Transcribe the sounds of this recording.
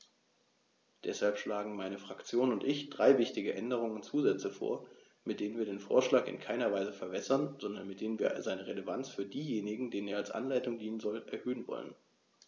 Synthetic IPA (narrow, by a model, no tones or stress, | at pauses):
d̥ɛshalpʃlaːɡŋ̩maɪnəfʁ̥akt͡sjoːnʊntʔɪçd̥ʁaɪvɪçtɪɡəʔɛndəʁ̞ʊŋənt͡suːzɛt͡səfo̰ːɐ | mɪt̚d̥eːnənviːɐdeːnfo̰ːɐʃlaːkɪ̰nkʰaɪnɐvaɪzəfɛɐbɛsɐnz̥ɔndɐnmɪt̚d̥eːnənviːɐzaɪnəʁeləvant͡sfyːɐdiːjeːnɪɡŋ̩deːnəneːɐalsʔa̰nlaɪtʊŋdiːnənzɔlʔɛɐhøːənvɔ̰lə̰n